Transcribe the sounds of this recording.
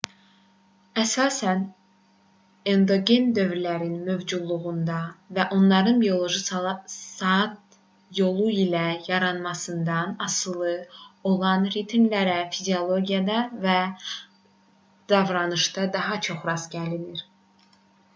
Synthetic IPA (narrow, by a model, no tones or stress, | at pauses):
æsɑːsæn | end̪o̞ɡend̪ø̞vɾilæɾinmø̞vd͡ʒud̪lˠuɣund̪ɑvæʔo̞nlˠɑɾɯnbio̞lˠo̞ʒɯsɑt̪̚ | jo̞lˠuilæjɑɾɑnmɑsɯnd̪ɑnɑsɯlˠɯo̞lˠɑnɾit̪ʰmlæɾæfizio̞lˠo̞ɡijɑd̪ɑvæ | d̪̥ɑvɾɑnɯʃt̪ɑd̪ɑɦɑt͡ʃʰo̞χɾɑzɟæliliɾ